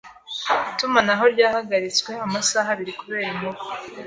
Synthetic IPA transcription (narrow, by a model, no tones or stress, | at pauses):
itumanaɦo̞ɾɟaːhaɡaɾit͡skwe̞amasaɦaβiɾikuβe̞ːɾimuβ